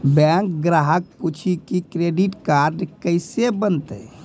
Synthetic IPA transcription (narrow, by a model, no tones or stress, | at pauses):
bɛ̃ŋk̚ɡɾaɦək̚put͡ʃʰikikɾeɖiʈkaɾɖkəɪsebənt̪ə̰